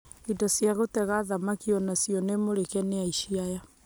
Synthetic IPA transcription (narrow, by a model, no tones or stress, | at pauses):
idɔsiaɣotɛɣaːðamakiɔnasiɔnemoɾekɛneaiʃiaja